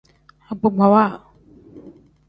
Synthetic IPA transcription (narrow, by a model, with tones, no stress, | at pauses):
a˨ɡ͡bu˨ɡ͡ba˨wa˦˨